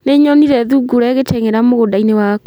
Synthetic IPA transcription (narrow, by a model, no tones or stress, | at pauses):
neɲɔniɾɛðuɡuɾɛɣetɛŋeɾamoɣodainewaːk